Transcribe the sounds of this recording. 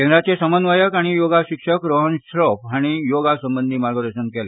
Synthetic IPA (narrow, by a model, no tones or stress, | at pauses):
kend̪ɾat͡sesəmənʋəjəkaɽ̃ijoɡaɕikʂəkɾoɦənsɾɔpɦaɽ̃ijoɡasəmbənd̪ʱiːmaɾɡʱəd̪əɾsənkele